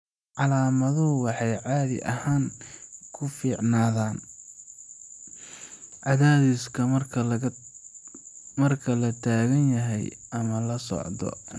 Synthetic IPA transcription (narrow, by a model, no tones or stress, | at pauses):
ʕɑlaːmɐðʊʊwɑħɑjʕɑːðɪ̰ʔɐhaːŋkʰʊfiːʕnaːðaːn | ʕɑðaːðiːskʰɐɐ | mɐrkʰɐlɐt̪ʰaːɣɐnjɐɦɛ̰jɐmɐlɐsɔ̰ʕd̪ɔ̰